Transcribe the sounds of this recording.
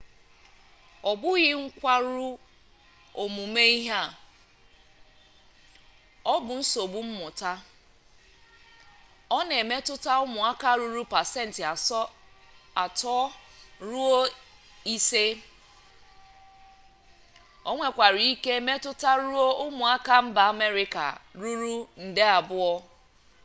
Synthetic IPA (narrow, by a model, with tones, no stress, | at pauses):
ɔ˨bʊ˦ɣɪ˦ŋ̩˦kʷa˦ɾu˦ | o˨mu˨me˦i˦ɦa˦˨ | ɔ˦bʊ˨n̩˦so˨bʊ˨m̩˦mʊ˨ta˦ | ɔ˦ne˨me˦tʊ˦ta˦ʊ˦mʊ˨a˦ka˦˨ɾu˦ɾu˦pa˨se˦n̩˨tɪ˨˦ | a˨tɔ˦ɾu˦o˦ | i˦se˦ | o˦ŋʷe˦kʷa˨ɾi˨i˦ke˦e˦me˦tʊ˦ta˦ɾu˦o˦ʊ˦mʊ˨a˦ka˦m̩˦ba˨a˨me˦ɾɪ˦ka̰˨ɾu˦ɾu˦n̩˨de˦a˨bʊ˦ɔ˦